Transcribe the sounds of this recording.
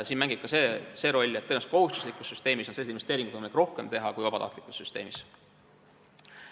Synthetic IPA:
siːnmæŋɡib̥̚kɑsese̞ːɾo̞lʲːet̪ːenɑst̪ko̞hust̪u̥slikˑusːyst̪e̞ːmisonselːsinvest̪eːɾiŋɡud̪vɯjmɑlikro̞hke̞mt̪e̞ɦɑkujvɑb̥ɑt̪ɑ̰ht̪likˑusːyst̪eːmis

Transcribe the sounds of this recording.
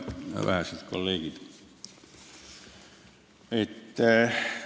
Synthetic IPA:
ʋæ̰hæsit̪ko̰lliːkit̪ | et̪ːæ

